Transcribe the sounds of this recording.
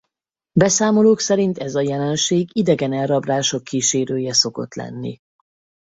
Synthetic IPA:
bɛsaːmo̞loːksɛɾint̪ɛzɒjɛlɛnʃeːɡid̪ɛɡɛnɛlrɒbraːʃo̞kːiːʃeːɾøːjɛso̞ko̞̰t̪lɛ̰nːḭ

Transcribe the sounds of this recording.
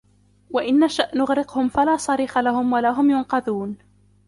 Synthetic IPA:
waʔɪnːaʃaʔnʊɣɾɪqhʊmfalaːsˤɑɾiːxalahʊmwalaːɦʊmjʊnqɑðuːn

